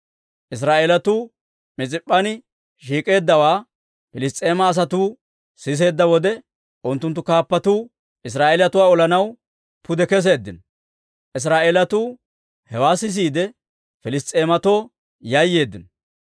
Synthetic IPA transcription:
ʔɪs̬ɾaːʔelɐt̪uː | mɪt͡sʼɪpʼːɐnɪ | ʃiːkʼe̞ːd̪ːɐwaː | fɪlɪst̪ʼe̞ːmɐːs̬ɐt̪uː | sɪs̬e̞ːd̪ːɐwɔd̪ɛ | ʔʊnt̪ːʊnt̪ːʊkaːpːɐt̪uː | ʔɪs̬ɾaːʔeːlɐt̪ʊwaːɔlɐnɐw | pʊd̪ɛkɛs̬e̞ːd̪ːɪn | ʔɪs̬ɾaːʔeːlɐt̪uː | hɛwaːsɪs̬iːd̪ɛ | fɪlɪst̪ʼːe̞ːmɐt̪o̞ː | jɐjːe̞ːd̪ːɪn

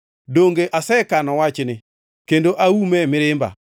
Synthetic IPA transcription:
doŋɡeʔasɛkanɔwat͡ʃɪnɪ | kendoʔaumɛmɪɾɪmba̰

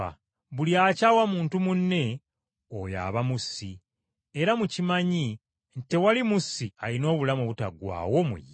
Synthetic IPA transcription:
a̰ | βuliaːcaːwamuːntumunːe̞ | oja̰ːβamusi | eɾamucimaɲi | nte̞walimusialino̞ːβulamoβutaɡwa̰ːwo̞mṵj

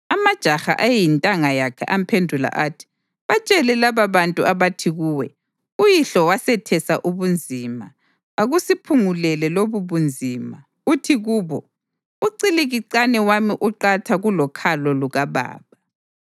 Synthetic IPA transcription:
amad̥ʒ̥ʱaxa̰ʔajintʼaŋajakʰɛ̰ʔampʰendʱula̰ʔatʰi̥ | βat͡ʃʼɛlɛlaβaβantʼuʔaβatʰiɣuːwɛ̰ | ujiɬɔwasɛtʰɛsaʔuβund͡zʱima | aɣusipʰuŋulɛlɛloβuβund͡zʱiːma | utʰiɣuːβɔ | uǀiliɣiǀanɛwamiʔuǃatʰaɣulɔkʰalɔluɣaβa̰ːβa

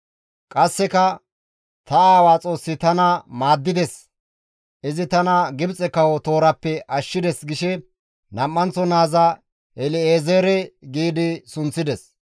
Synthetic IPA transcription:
kʼɐsːɛkɐ | t̪ɐaːwaːt͡sʼo̞ːsːɪt̪ɐnɐmaːd̪ːɪd̪ɛs | ʔɪzɪt̪ɐnɐɡɪbt͡sʼɛkɐwɔt̪o̞ːɾɐpːɛʔɐʃːɪd̪ɛsɡɪʃɛ | nɐmːɐnt͡sːɔnaːzɐ | ɛlɪeːzeːɾɛɡiːd̪ɪsʊnt͡sːɪd̪ɛs

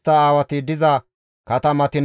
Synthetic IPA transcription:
t̪ːɐaːwɐt̪ɪd̪ɪzɐ | kɐt̪ɐmɐt̪ɪn

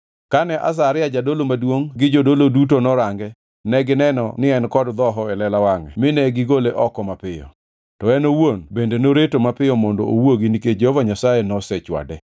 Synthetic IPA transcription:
kanɛʔa̰s̬aɾɪjad͡ʒadolomadwoŋɡɪd͡ʒodolodutonɔɾaŋɡɛ | nɛɡɪnɛnɔ̰nɪɛnkɔdd̪ɔɦɔɛlɛlawaŋɛ̰mɪnɛɡɪɡoleʔɔkɔmapɪjɔ̰ | tɔɛnowonbendenoɾetomapɪɔmɔndo̰owoɡiniked͡ʒehvaɲasajɛnɔsɛt͡ʃwa̰dɛ

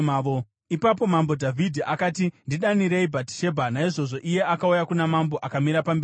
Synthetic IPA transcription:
o | ipap̬o̞mambo̞dʱavʱidʱiʔakatindiɗaniɾeibʱati̥ʃe̞bʱanaiʐo̞ʐo̞ʔije̞ʔakaujakunamambo̞ʔakamiɾapambei

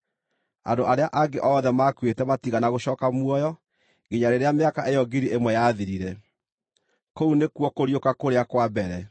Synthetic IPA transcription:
a̰ndoʔaɾeaʔaɡeʔɔðɛmakwetɛmatiɣanaɣoɕɔːkamwɔjɔ | ɡeɲaɾeɾeameakaʔejɔɡiɾiʔemwɛjaðiɾiɾɛ | kounekuɔkoɾijokakoɾeakwabɛɾɛ

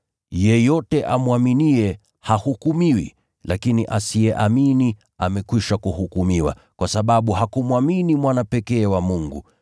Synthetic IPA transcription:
jɛjɔtɛʔamwaminiɛ | hahukumiwḭ | lakiniʔasiɛʔamini | a̰mɛkwiʃakuhukumiwa̰ | kwasaɓaɓuhakumwaminimwanapɛkɛːwamuŋɡṵ

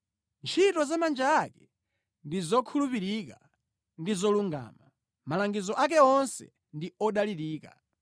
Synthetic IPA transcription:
nt͡ʃʰitɔzamand͡ʒaːkɛ | ndizɔkʰulupiɾika | ndizɔluŋɡa̰ːma | malaŋɡizɔʔak̬ɛɔnsɛ̰ | ndiɔɗaliɾiːka̰

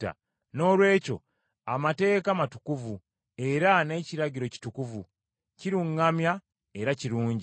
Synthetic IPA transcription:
a̰ | no̞ːlwe̞ːco̞̰ | amate̞ːkamatu̥kuvu | e̞ɾane̞ːciɾaɟiɾo̞ci̥tukuvu | ciɾuŋːamja | e̞ɾaciɾuːɲɟi

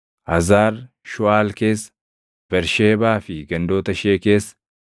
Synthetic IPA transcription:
hɐzaːɾ | ʃʊaːlke̞ːsːɐ̥ | b̥ɛɾʃeːbaːfɪɡɐnd̪o̞ːt̪ɐʃeːke̞ːsːɐ̥

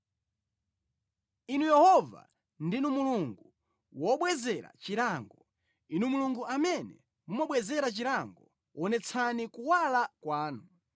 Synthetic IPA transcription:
inujɛhɔva̰ | ndinumuluŋɡu | wɔɓwɛzɛɾa̰t͡ʃiɾaŋɡɔ | inumuluŋɡuʔamɛnɛ̰ | mumɔɓwɛzɛɾat͡ʃiɾaŋɡɔ | wɔnɛt͡sʰanikuwalakwaːnu

